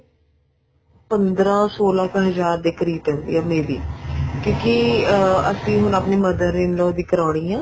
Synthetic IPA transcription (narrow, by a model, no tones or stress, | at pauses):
pənd̪ɾãːsoːlãːkɦəzaːɾd̪ekəɾiːt̪ɛ̃ːnd̪ḭãːmeːɾḭːkjõːki | əsĩːɦʊnapneːməd̪əɾɪnloːd̪iːkəɾaːɽ̃iːãː